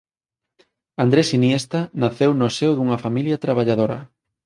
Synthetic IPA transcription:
and̪ɾesinjest̪ɐnaθewnʊsewðuŋɐfamiljɐt̪ɾaβaʎaðoɾɐ̰

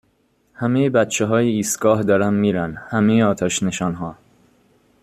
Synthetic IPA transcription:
hæmejebæt̪t͡ʃʰeɦɒːjeiːst̪ɡɒːɦd̪ɒːɾæmːiːɾænhæmejeɒːt̪ʰæʃneʃɒːnɦɒː

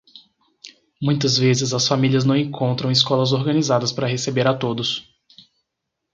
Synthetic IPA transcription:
mũj̃t̪̬ɐzvezɪzɐsfamiliɐznɐ̃w̃ẽŋkʰõnt̪ɾɐ̃w̃iskɔlɐzoɾɡɐ̃nizad̪ɐspaɾɐɦesebeɾat̪od̪ʊs

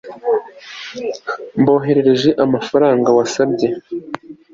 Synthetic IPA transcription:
mbo̞ːɦe̞ɾe̞ɾe̞ʒe̞ʔamafaɾaːŋɡawasabɟe̞

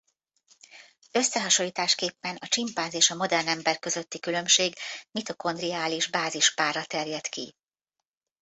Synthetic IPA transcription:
ø̞sːɛɦɒʃo̞lːiːt̪aːʃkeːpːɛnɒt͡ʃimpaːnzeːʃɒmo̞d̪ɛrnɛmbɛrkø̞zø̞t̪ːikylø̞mʃeːɡmit̪o̞ko̞nd̪riaːliʒbaːziʃpaːrːɒt̪ɛrjɛt̪kḭ

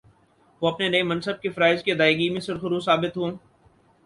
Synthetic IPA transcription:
ʋoːɐpnenɐemɐ̃nsəb̚kefɐɾaːɪzked̪aːeɡimẽsʊɾxʊɾusaːbɪt̪ɦũ

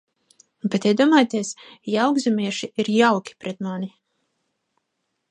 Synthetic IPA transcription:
bet̪iɛd̪uɔmaːjt̪iɛsjawɡzamiɛʃiʔiɾjawkʲi̥pɾɛt̪mani

